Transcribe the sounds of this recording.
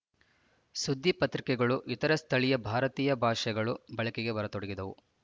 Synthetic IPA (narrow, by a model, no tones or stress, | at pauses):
sud̪ʱːipɐt̪ɾikɛɡɐɭuʔit̪ɐɾɐst̪ʰɐɭijɐbʱaːɾɐt̪iːjɐbʱaːʂɛɡɐɭubɐɭɐkɛɡe̞ʋɐɾɐt̪ɔɽɐɡid̪ɐʋu